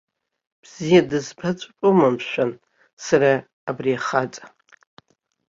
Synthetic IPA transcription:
b̥z̥ijadɨzbat͡ʃʷʼpʷʼʊmamʃʷᶣan | saɾaː | briaχat͡sʼḁ

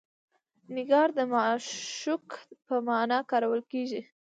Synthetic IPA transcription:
nɪɡɑɾd̪əmɑʃukpəmɑnɑkɑɾawəlkeʒi

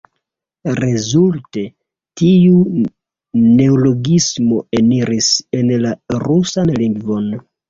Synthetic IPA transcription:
ɾezulte̞ | tiu | ne̞olo̞ɡismo̞eniɾise̞nlaɾusanliŋɡvo̞n

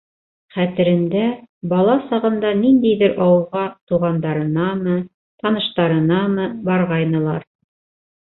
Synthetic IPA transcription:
χæt̪ɘ̆ɾɘ̆nd̪æbɑlˠɑsɑʁɤ̆nd̪ɑnind̪æjðɘɾʔɑwɤ̆lˠʁɑt̪uʁɑnd̪ɑɾɤ̆nɑmɤ | t̪ɑnɤ̆ʃt̪ɑɾɤ̆nɑmɤbɑɾʁɑjnɤ̆lˠɑ̰ɾ

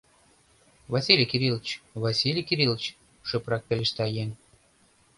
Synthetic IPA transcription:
vasʲilʲijkiɾilˠət͡ɕvɑsʲilʲijkiɾilˠət͡ɕ | ʃøprɑk̚pelʲeʃt̪ɑjenʲ

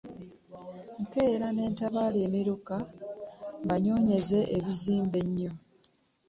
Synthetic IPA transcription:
ŋ̩ke̞ːɾane̞ːntaβaːleːmiɾuka | βaɲo̞ːɲe̞ze̞ʔeβiziːmbe̞ɲːo̞

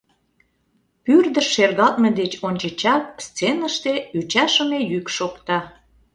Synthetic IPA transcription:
pyrd̪ə̆ʃːerɣɑt̪̚mĕd̪et͡ɕonʲt͡ɕə̆t͡ɕɑk̚st͡senəʃt̪eyt͡ɕɑʃəmejykʃokt̪ɑ

